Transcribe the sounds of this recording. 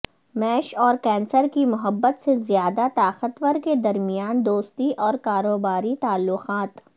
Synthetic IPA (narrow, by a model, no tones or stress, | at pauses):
mɛːʃɔːɾkɛ̃ːnsəɾkimʊɦəbːət̪sezɪjaːd̪at̪aːqət̪wəɾked̪ɐɾmijaːnd̪oːst̪iʔɔːɾkaːɾoːbaːɾit̪aːlːʊqaːt̪